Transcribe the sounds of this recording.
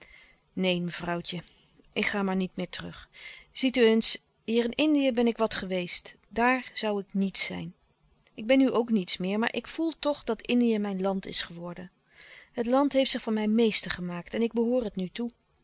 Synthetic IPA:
nejməv̥rɑwtə | ʔɪkχaːmaːɹnitmɪːɹtərɵχz̥ityens | ɦiːrɪnɪndijəbɛnɪkʋɑtχəʋejst | daːɹz̥ʌwɪknitsɛ̰jn | ɪɡ̚bɛnyʔowknitsmɪːɹma̰ːɹʔɪkfulˠtɔχdɑtɪndijəmɛjnlɑntɪ̰sχəʋɔɹdən | ɦətlɑntɦejftsɪχfɑnmɛjnmejstəɹχəmaːktɛnɪɡ̚bəɦʊːrɦətnytu

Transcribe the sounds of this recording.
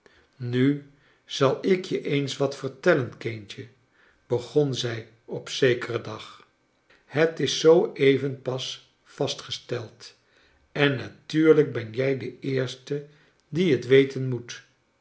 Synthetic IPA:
ny | z̥ɑlˠɪkjəʔejnsʋɑtfəɹtɛlənkent͡ʃə | b̥əχɔnzɛj | ɔpsejkərədɑχ | hətɪsːowejvənpɑs | fɑstχəstɛlˠt | ɛnːatyːɹləɡ̚bɛnjɛjdəɪːɹstə | diɦətʋejtʰənmut

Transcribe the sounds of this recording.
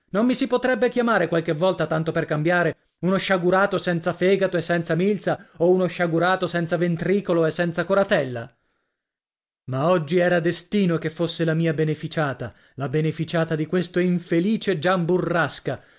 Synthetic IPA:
nomːisipot̪ɾɛbːek̟jamaːɾekwalk̟evːɔlt̪at̪ant̪operkambjaːɾe | unoʃaɡuɾaːt̪osɛnt̪safɛːɡat̪oesːɛnt̪samilt̪saounoʃːaɡuɾaːt̪osɛnt̪savent̪ɾiːkoloesːɛnt̪sakoɾat̪ɛlːa̰ | maɔd͡ʒːiɛːɾad̪est̪iːnokefːosːelamiːabenefit͡ʃaːt̪a | labenefit͡ʃaːt̪ad̪ikwest̪oiɱfeliːt͡ʃed͡ʒamburːaska

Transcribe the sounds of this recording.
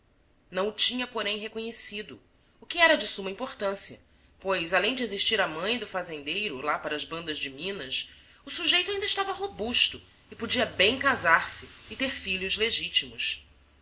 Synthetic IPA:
nɐ̃w̃ʊt͡ʃĩɲɐpoɾẽj̃ɦekoɲesid̪ʊ | ʊkɪɛɾɐd͡ʒɪsumɐĩmpoχt̪ɐ̃siɐ̰ | pojzalẽj̃d͡ʒɪeziʃt͡ʃiɾɐmɐ̃j̃d̪ʊfazẽnd̪ejɾʊlapaɾɐːzbɐ̃nd̪ɐzd͡ʒɪmĩnɐs | ʊsuʒejt̪ʊaĩd̪ɪʃt̪avɐɦobuʃt̪ʊ | ɪpod͡ʒiɐbẽj̃kazaɾsɪːt̪eɾfiʎʲʊzleʒit͡ʃimʊs

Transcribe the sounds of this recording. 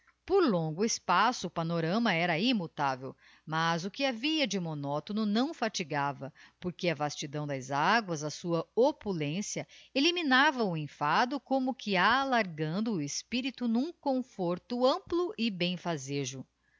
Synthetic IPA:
poɾlõɡʊɪspasʊːpanoɾɐ̃mɐɛɾɐimut̪avḛw | mɐzʊkɪaviɐd͡ʒɪmonɔt̪onʊnɐ̃w̃fat͡ʃiɡavɐpoɾkeɐvast͡ʃid̪ɐ̃w̃d̪ɐzaɡwɐzɐsuɐopulẽsjɐeliminavɐʊĩfad̪ʊkõmʊkʰɪalaɾɡɐ̃nd̪ʊːespiɾit̪ʊnũkõfoɾt̪ʊɐ̃mplʊʔɪbẽj̃fazeʒʊ

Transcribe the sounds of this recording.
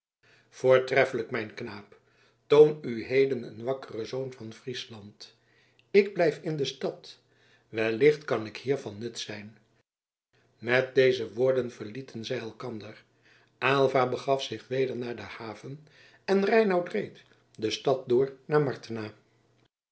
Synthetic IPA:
v̥ʊːɹtrɛfələkmɛjnknaːp | townyɦejdənə̰nʋɑkərəzownvɑnfrislɑnt | ɪɡ̚blɛjfɪndəstɑt | ʋɛlɪχtkɑnɪkhiːɹvɑnːɵtsɛjn | mɛt̚dejzəʋʊːɹdənv̥əɹlitənzɛjɛlˠkɑndəɹ | ʔaːlˠvaːbəχɑfsɪχʋejdəɹnaːɹdəhaːvən | ɛnrɛjnɑwtrejt | dəstɑt̚dʊːɹnaːɹmɑɹtinaː

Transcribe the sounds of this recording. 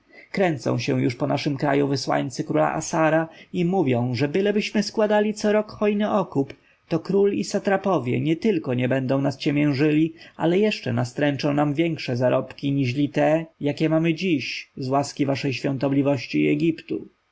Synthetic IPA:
kɾɛnt̪sɔ̰̃w̃ɕɛ̰w̃juʂpɔnaʂɘmkɾa̰juvɘswa̰ɲt̪sɘkɾula̰ʔa̰saɾaimuvʲjɔ̃w̃ʐɛbɘlɛbɘɕmɘskwad̪alʲit̪sɔɾɔkxɔjnɘʔɔkup | t̪ɔkɾulisat̪ɾapɔvʲjɛ̰ɲɛt̪ɘlkɔɲɛbɛnd̪ɔ̃w̃nast͡ɕɛmʲjɛ̃w̃ʐɘlʲia̰lɛjɛʂt͡ʂɛ̰nast̪ɾɛnt͡ʂɔ̃w̃namvʲjɛŋkʂɛzaɾɔpkʲiɲiʐlʲit̪ɛjakʲɛmamɘd͡ʑiɕzwaskʲivaʂɛjɕfʲjɔ̃nt̪ɔblʲivɔɕt͡ɕiɛɡʲipt̪u

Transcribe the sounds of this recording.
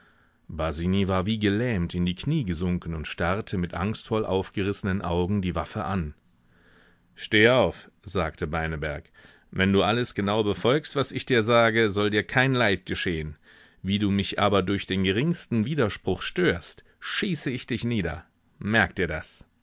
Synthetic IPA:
baziːnivaːɐviːɡəlɛːmtɪndiːkʰniːɡəzʊŋkn̩ʊntʃtaʁtʰəmɪtʔa̰ŋstfɔlʔa̰ʊfɡ̥əʁɪsənənʔa̰ʊɡŋ̩diːvafəʔan | ʃteːəaʊf | z̥aːktʰəbaɪnəbɛɐk | vɛnduːʔaləsɡ̥ənaʊbəfɔlkstv̥asɪçd̥iːɐzaːɡəzɔldiːɐkʰaɪnlaɪt̚ɡ̥əʃeːən | viːduːmɪçʔa̰ːbɐdʊɐçd̥eːnɡəʁɪŋstn̩viːdɐʃpʁ̥ʊxʃtøːɐst | ʃiːsəɪçd̥ɪçniːdɐ̰ | mɛɐk̚d̥iːɐdas

